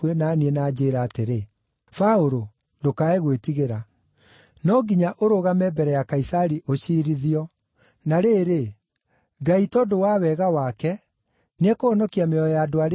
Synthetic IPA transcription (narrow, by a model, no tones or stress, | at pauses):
wenaːniɛnaːd͡ʑeːɾaːteɾe | faoɾo | dokaeɣwetiɣeɾa | nɔɡiɲaʔoɾoɣamɛbɛɾɛjakaisaɾiʔoɕiːɾiðiɔ | naɾeːɾe | ɡaitɔdowawɛɣawakɛ | nɛkoɔnɔkiameɔjadoaɾ